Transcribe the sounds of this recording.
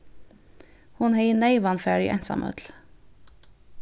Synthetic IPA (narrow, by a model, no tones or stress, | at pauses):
hʊnheɪnæɪʋɑnfæːɹḭʔæ̰nsɑ̰mʔœ̰t̪l̩